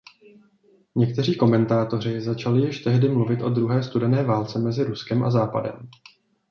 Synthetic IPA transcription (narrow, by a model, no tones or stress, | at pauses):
ɲɛk̚t̪ɛriːko̞mɛnt̪aːt̪o̞r̝ɪzat͡ʃalɪjɪʃt̪ɛɦdɪmluvɪt̪ʔo̞d̪ɾuɦɛːst̪udɛnɛːvaːlt͡sɛmɛzɪɾuskɛmʔa̰zaːpa̰dɛ̰m